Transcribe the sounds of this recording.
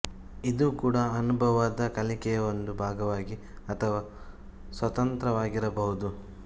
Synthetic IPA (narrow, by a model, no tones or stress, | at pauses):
id̪uːkuːɽɐːnubʱɐʋaːd̪ɐkɐlikɛjɐond̪ubʱaːɡɐʋaːɡiɐt̪ʰɐʋaː | sʋɐt̪ɐnt̪ɾɐʋaːɡiɾɐbɐɦud̪u